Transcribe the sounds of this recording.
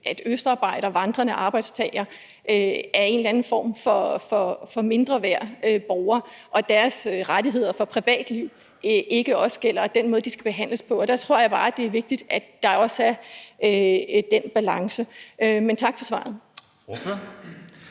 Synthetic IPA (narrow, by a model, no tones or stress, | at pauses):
ʔæd̥øsd̥ɑ̈ːb̥ɑ̈ɪ̰ɾ̥ɐʋɑ̈nd̥ʁɐnəʔɑ̈ːb̥ɑ̈ɪd̥st͡sʰɛ̰ɪ̰ɐ | ʔøæɐe̝ːnlænn̩fɒ̰ːmfɒ̽fɒ̽fɒ̽me̝nd̥ʁɐʋæɐ̰øb̥ɒʊɐːʔɒ̽d̥æɐsʁadiɦe̝ð̞̰ˠɐfɒ̽pʰʁiʋɛ̰ːd̥liʊ̰ | ʔe̝ɡ̥əɒ̽səɡ̥el̰ɐd̥en̰mɔ̽ðˠd̥isɡ̥æb̥e̝ɦæn̰ləspʰɒ̽ɒd̥ɑ̈t͡sʰʁo̝ɐ̰jɑ̈ɪb̥ɑ̈ːd̥e̝æɐʋe̝ɡ̥̚d̥id̥æd̥d̥ɑ̈ɒ̽sæɐ | d̥enb̥ælɑ̈ŋsəʔøment͡sʰɑ̈ɡ̥fɒ̽sʋɑ̰̈ð̞̩ˠ